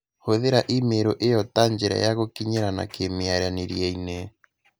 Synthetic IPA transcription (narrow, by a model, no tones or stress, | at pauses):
hoðeɾaʔimeɾoʔejɔtaɲd͡ʒeɾa̰jaɣokiɲeɾana̰kemeaɾaneɾjɛine